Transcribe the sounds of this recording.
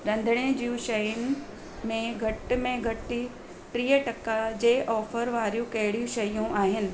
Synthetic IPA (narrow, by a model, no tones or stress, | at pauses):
ɾɐ̃nd̪ʱəɽ̃ed͡ʑiːũʃɐjʊnɪ̆ | mẽɡʱɐʈɪmẽɡʱɐʈi | ʈɾiːəʈɐkːad͡ʑeːʔɔːfəɾʋaːɾijũkɐɦɪɽijũʃɐjũʔaːɦɪnɪ̆